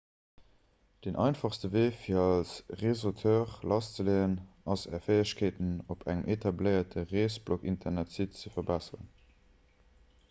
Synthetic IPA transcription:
d̥enʔɑ̰ɪnfɑχstəveːfiːɐɑlsʁezotʰøːʁlʔɑst͡səleənɑsɛ̰ːɐfeəɕkʰeːtənopʰæŋəmʔetʰɑbləɪɐtʰəʁeːsblokḭntʰɐnætsitt͡səfɐbæsəʁə̰n

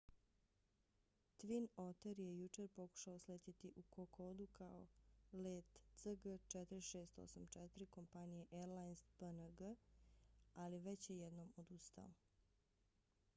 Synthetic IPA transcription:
t̪ʋinot̪eɾjejut͡ʃe̞ɾpo̞ku̥ʃaosleːt̪it̪iʔukokʰod̪ukʰao̰leːt̪səɡət͡ʃɛt̪ɾiʃeːst̪o̰samt͡ʃɛt̪ɾiko̞mpanijeʔeɾlajnspənəɡə | aliʋet͡ɕjejɛd̪nomod̪ust̪a̰o

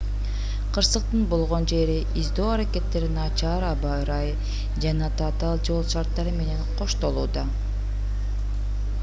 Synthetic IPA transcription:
qʰɯɾsɯq̚t̪ɯnbolˠʁo̞nd͡ʒe̞ɾiʔizd̪o̞ːɑɾake̞t̪ːe̞ɾinɑt͡ʃɑːɾɑbɑɾɑj | d͡ʒɑnɑt̪ʰat̪ɑlˠd͡ʒo̞lˠʃɑɾt̪ːɑɾɯme̞ne̞nqʰo̞ʃt̪o̞lˠuːd̪ɑ

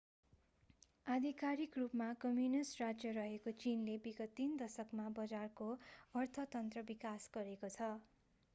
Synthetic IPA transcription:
ad̪ʱikaɾikrupmakʌmjunisrad͡zjʌɾʌɦekot͡sinlebiɡʌt̪ind̪ʌsʌkmabʌd͡zarkoʌrt̪ʰʌt̪ʌnt̪rʌbikasɡʌɾekot͡sʰʌ

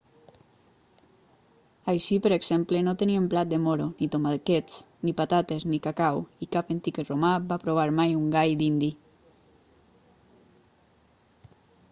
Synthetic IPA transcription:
ajʃipəɾeɡz̥emplenot̪eniemplat̪̚d̪emoɾonit̪omalket͡snipat̪at̪eznikakawikapent̪ikromabapɾoβ̞aɾmajuŋɡajd̪ind̪i

